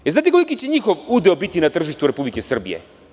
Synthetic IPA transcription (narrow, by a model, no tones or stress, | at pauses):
eznaːt̪ikolikit͡ɕeɲixo̞ʋud̪eobit̪inat̪r̩ʒiʃt̪uɾe̞publikesr̩bḭjḛ